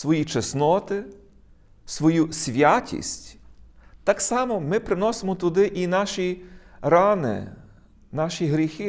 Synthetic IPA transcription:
sʋɔjit͡ʃɛsnɔt̪ɪ | sʋɔjusʲʋʲjatʲḭsʲtʲt̪ɑksɑmɔmɪpɾɪnɔsemɔt̪ʊd̪ɪʔinɑʃiɾɑnɪ̰ | nɑʃʲiɦɾʲixɪ

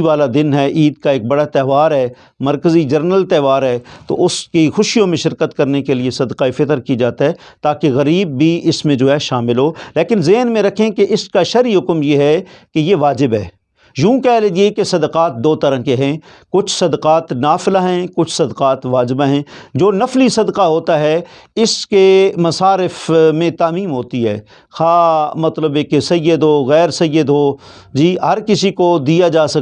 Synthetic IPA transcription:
ʋaːlad̪ɪnɦɛːʔiːd̪kaeːk̚bɐɽat̪ɛːʋaːɾɦɛː | mɐɾkəzid͡ʒɐɾnəlt̪ɛːʋaːɾɦɛːt̪o̰ʊskixʊʃijõmẽʃɪɾkət̪kɐɾnekeliesɐd̪qaifɪt̪əɾkid͡ʒaːt̪iɦɛːt̪aːkeɣɐɾiːbːʱiɪsmẽd͡ʒoːɦɛʃaːmɪlɦoːleːkɪnzeɦnmẽɾɐkʰẽkeʔɪskaʃɐɾiɦʊkmjeɦɛkejeʋaːd͡ʒɪbɦɛː | jũːkɛːled̪iekesɐd̪qaːt̪̚d̪oːt̪ɐɾə̃keɦɛ̃ | kʊt͡ʃʰsɐd̪qaːt̪naːfɪlaɦɛ̃kʊt͡ʃʰsɐd̪qaːt̪ʋaːd͡ʒɪbaɦɛ̃ːd͡ʒoːnɐflisɐd̪qaɦoːt̪aɦɛɪskemɐsaːɾɪfmẽt̪aːmiːmɦoːt̪iɦɛ̰ː | xaːmɐt̪ləbekesɐjəd̪ɦoːɣɛːɾsɐjːəd̪ɦoː | d͡ʒiːɦɐɾkɪsikod̪ijad͡ʒaːsɐk

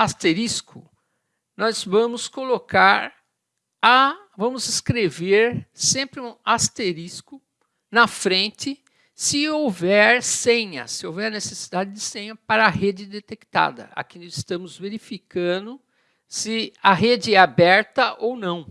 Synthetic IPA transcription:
ast̪eɾiskʊ | nɔzvɐ̃mʊskolokaɾ | a | vɐ̃mʊzɪskɾeveɾsẽmpɾɪũast̪eɾiskʊ | nɐfɾẽnt͡ʃ̪ɪ | sɪowvɛɾsẽɲɐ̰sɪowvɛɾnesesid̪ad͡ʒɪd̪ɪsẽɲɐpaɾɐɦed͡ʒɪd̪et̪ekt̪a̰d̪ɐ̰a̰kĩnɪst̪ɐ̃mʊzveɾifikɐ̃d̪ʊ | sɪɐɦed͡ʒɪɛabɛɾt̪ɐʔownɐ̃w̃

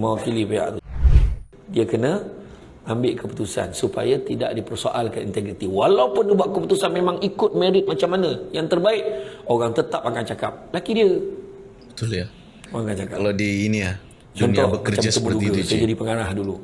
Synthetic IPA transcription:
mawkilipea̰ʔ | diəkənə | ambɪʔkəput̪usa̰nsupa̰jat̪ida̰ʔdipərsoʔalkanint̪eɡɾit̪iwalaupʊndibuaʔkːəput̪usanmemaŋikʊt̪̚meɾɪt̪̚mat͡ʃamːanəjaŋt̪ərbaɪkoɣaŋt̪ət̪ap̚aŋkant͡ʃakap̚lakidiə | bət̪ulja | maŋkant͡ʃakaaladiːnia | t͡ʃɔnt̪ɔbəət͡ʃamst̪əmuduɡəsajd͡ʒadipəŋaɾahdulu

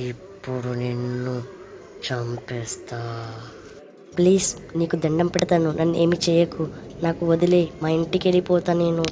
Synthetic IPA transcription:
ipːuɽunenːu | t͡ʃɐmpɛːst̪aː | pliːsniːkud̪ɐɳɖɐmpɛɽɐt̪aːnunʔɐnːe̞ːmit͡ʃɛːjɐkːunaːkuod̪ileːmaːiɳʈikeɭipɔːt̪aːne̞ːnu

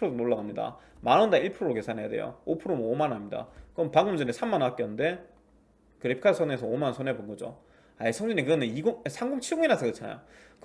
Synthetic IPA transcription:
ɯɾodonoɭːaɡamɲida̰ | manʌndaiɭpʰɯɾoɾoke̞sʰanɦe̞ja̰dwe̞̰jo̰opʰɯɾomomanamɲida̰kɯʌmpaŋɡumd͡ʑʌnesʰammanak͈ʌnɯnde̞ | kɯɾipʰikʰasʰone̞s̬ʰʌomansʰonebonɡʌd͡ʑo̰ | aisʰʌŋd͡ʑiɲikɯɡʌneiɡosʰaŋɡumt͡ɕʰiɡoŋinasʰʌkɯʌt͡ɕʰana̰jo̰k

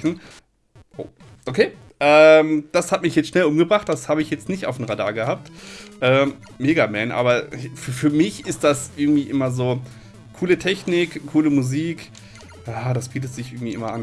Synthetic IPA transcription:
n̩ | ʔo̰ː | ʔokʰeː | ʔɛːmd̥ashatmɪçjɛt͡stʃnɛlʔʊmɡəbʁaχt̚d̥ashaːbəɪçjɛt͡stnɪçtʔaʊfnm̩ʁada̰ːɐɡəhaːp̚tʔɛː | meːɡamɛnʔa̰ːbɐfyːɐfyːɐmɪçɪst̚d̥asʔɪɐɡŋ̩tv̥iːʔɪmɐzoː | kʰuːlətʰɛçnɪkʰːuːləmuziːk | jaːdasb̥iːtətz̥ɪçʔɪɐɡŋ̩tv̥iːʔɪ̰mɐʔan

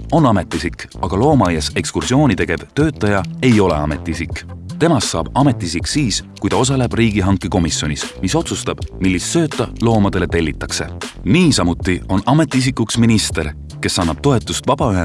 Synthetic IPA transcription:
o̞nɑme̞t̪ːˑisikːɑɡ̥ɑlo̞ːmɑjɑse̞kskursio̞ːnʲit̪e̞ɡ̥e̞vt̪ø̞ːt̪ːˑɑjɑe̞jo̞le̞̰ɑme̞t̪ːˑiisikːˑt̪e̞mɑsːɑːb̥ɑme̞t̪ːˑiisiksiːskujd̪ɑo̞s̬ɑle̞b̥riːɡ̥iɦɑŋkːˑeko̞misːjo̞nismiso̞t̪sust̪ɑb̥milːist̪sø̞ːt̪ːˑɑlo̞ːmɑd̪̥e̞le̞t̪e̞lʲːit̪ːˑɑkse̞niːsɑmut̪ːˑio̞nɑme̞t̪ːˑiis̬ikːˑuksminist̪e̞r | ke̞sːɑnːɑb̥̚t̪o̞e̞t̪ːˑust̪vɑb̥ɑyɦe

